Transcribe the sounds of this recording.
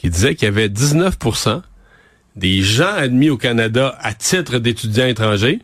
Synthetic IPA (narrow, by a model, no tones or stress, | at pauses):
kʲid̪izɛkʲjavɛd̪iznœfpuʁsã | d̪eʒãad̪miokanad̪aat̪ɪt̪ʁəd̪et̪ydd͡zʲjãet̪χɑ̃ːʒe